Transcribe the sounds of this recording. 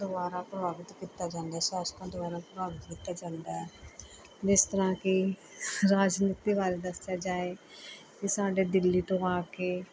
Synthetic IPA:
d̪ʊbaːɾãːpɾəbaːʋɪt̪kiːt̪ːaːd͡ʒãːnd̪aːsaskãːd̪ʊbaːɾãːpɾəbaːʋɪt̪kit̪ːaːd͡ʒãːnd̪aːɦɛː | d͡ʒɪst̪əɾãːkɪ | ɾaːd͡ʒniːt̪iːʋaːɾeːd̪əsjaːd͡ʒaːeː | kɪsaːɖeːd̪ɪlːiːt̪õːaːkeː

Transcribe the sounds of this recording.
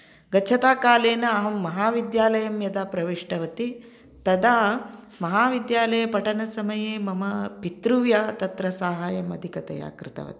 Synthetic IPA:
ɡɐt͡ʃʰɐt̪aːkaːleːnɐɐɦɐmːɐɦaːʋid̪jaːlɐjɐmjɐd̪aːpɾɐʋiʂʈɐʋɐt̪i | t̪ɐd̪aː | mɐɦaːʋid̪jaːlɐjɐpɐʈɐnɐsɐmɐjeːmɐmɐpit̪ɾuʋjaːt̪ɐt̪ɾɐsaːɦaːjɐmɐd̪ʱikɐt̪ɐ̰ja̰ːkɾɪt̪ɐ̰ʋɐ̰t̪i̥

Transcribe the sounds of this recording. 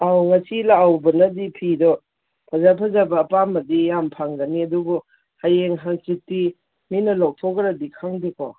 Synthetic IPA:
awŋɐsilawbɐnɐdipʰidɔ | pʰɐzapʰɐzabɐːpamɐdijampʰaŋdɐniɐdubu | hajeŋɦaŋt͡ʃitːi | minɐlow̚tʰoɡɾadikʰaŋdikɔ̰

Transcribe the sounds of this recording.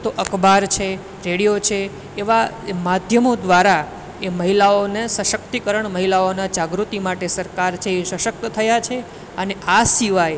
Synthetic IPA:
t̪oʔəkbaɾt͡ʃʰe | ɾeɽijot͡ʃʰeː | ʋa | mad̪ʱjəmod̪ʋaɾa | eməɦilaonesəʃək̚t̪ikəɾəɳməɦilaonad͡ʒaɡɾut̪imaʈesəɾkaɾt͡ʃʰeːʃəʃək̚t̪ət̪ʰəjat͡ʃʰe | əneasiʋaj

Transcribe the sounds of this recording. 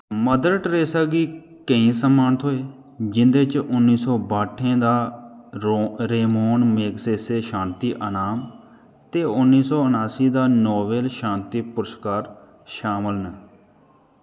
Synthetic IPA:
məd̪əɾʈɾeːsaːɡiː | kəĩːsəmaːnt̪ɦoːeː | d͡ʒɪ̃nd̪eːt͡ʃʊnːiːsɔːbaːʈʰːẽːd̪aː | ɾeːmoːnmeːkseːseːʃãːnt̪iːʔənaːm | t̪eːʊnːiːsɔːʊnaːsiːd̪aːnɔːbeːlʃãːnt̪iːpʊɾəskaːɾ | ʃaːməlnɛː

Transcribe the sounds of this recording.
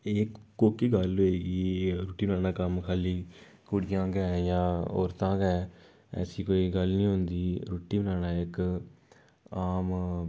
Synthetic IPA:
ekːoːkiːɡəlɦoːeːɡiɾoːʈːiːbənaːnaːkəmkʰaːliː | kʊɽɪjãːɡɛːjãːo̰ːɾt̪ãːɡɛː | ɛ̰ːsiːkoːiːɡəlnĩːɦʊ̃nd̪iːɾoːʈːiːbənaːnaːɪk | aːm

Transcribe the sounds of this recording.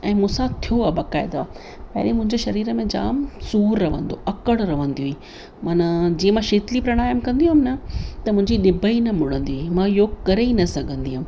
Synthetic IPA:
ɛ̃ːmʊ̃sãt̪ʰijoaːbɐkaːɪd̪aː | pɐɦɪɗimʊ̃ɦɪ̃ɲd͡ʑeʃɐɾiːɾə̆mẽd͡ʑa̰ːmsuːɾːɐʋ̤ə̰̃nd̪oʔɐkəɽɾɐʋə̃nd̪iɦui | maːnad͡ʑiːẽmãʃeːt̪lipɾɐɽ̃aːjəmkɐ̃nd̪iũɦmnɐt̪ɐmʊ̃ɦɪ̃ɲd͡ʑiɗɪbʱəinɐmʊɽ̤ə̃nd̪iuiimãjoːɡkɐɾeinɐsɐɡʱə̃nd̪iɦʊm

